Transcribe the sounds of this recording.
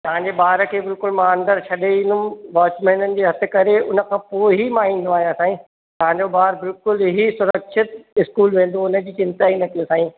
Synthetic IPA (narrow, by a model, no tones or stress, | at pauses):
t̪ɐɦãɲd͡ʑebaːɾəkʰeːbɪlkʊlmãɐ̃nd̪əɾʃʰɐɗeĩːnʊmʋaːt͡ɕmẽːnənɪ̆d͡ʑeːɦɐt̪̆ʰkɐɾeʊnə̆kʰãːpoːɦimãːĩːnd̪õaːɦijãsaːĩ | t̪ɐɦãɲd͡ʑobaːɾbɪlkʊlɦisʊɾəkʃɪt̪ɪskuːlʋẽːn̆d̪oʊnə̆d͡ʑiːt͡ɕɪ̃nt̪aːinɐk̪ʰiõsaːĩ